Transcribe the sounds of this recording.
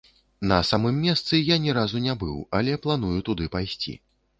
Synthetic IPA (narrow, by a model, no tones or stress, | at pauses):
nɐ̰samɨmːʲɛst̪sɨjanʲɛɾazunʲabɨ̰walʲɛplˠan̪ujut̪ud̪ɨpajsʲt͡sʲḭ